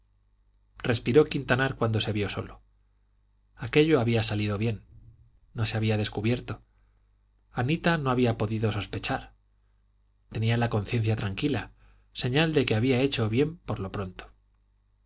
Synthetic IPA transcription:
re̞spiɾokint̪anaɾkwand̪ose̞βjo̞so̞̰lo | ake̞ʎo̞aβiasalið̞o̞βje̞nː | o̞se̞aβ̞iaðe̞skuβje̞ɾt̪o̞ | anit̪ano̞aβiapo̞ðiðo̞so̞spe̞t͡ʃaɾ | t̪e̞nialako̞nθje̞nθjat̪ɾaŋkila | se̞ɲald̪e̞ke̞aβiae̞t͡ʃo̞βje̞mpo̞ɾlo̞pɾo̞nt̪o̥

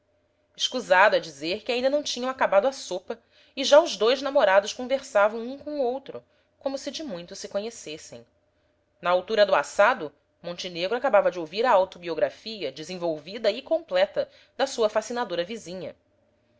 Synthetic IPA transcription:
ɪʃkuzad̪ʊɛd͡ʒizeɾkɪaĩnd̪ɐnɐ̃w̃t͡ʃĩɲɐ̃w̃akabad̪ʊasopɐ | ɪʒaʊʒd̪ojznamoɾad̪ʊʃkõveɾsavɐ̃w̃ũkõowt̪ɾʊ | kõmʊsɪd͡ʒɪmũj̃t̪ʊsɪkõɲesesḛ̃j̃ | nɐawt̪uɾɐd̪ʊasad̪ʊ | mõnt͡ʃɪneɡɾʊakabavɐd͡ʒɪowviɾɐawt̪obioɡɾafiɐd͡ʒɪzẽvowvid̪ɐɪkõmplɛt̪ɐ | d̪ɐsuɐfasinad̪oɾɐvizĩɲɐ̰

